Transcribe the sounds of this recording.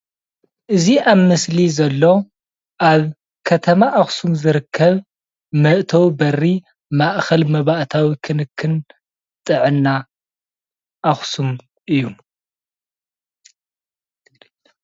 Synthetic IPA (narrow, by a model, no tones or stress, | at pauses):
ʔɨziʔaβmɨslizɐlːo̞ | ʔaβ | kʰɐt̪ʰɐmaʔaxsumzɨɾɨkʰːɐβ | mɐʔt̪ʰɐwbɐrːi | maʔxɐlmɐβaʔt̪ʰawikʰɨnɨkʰːɨn | t̪ʼɨʕɨnːa | ʔːxsum | ʔɨjːu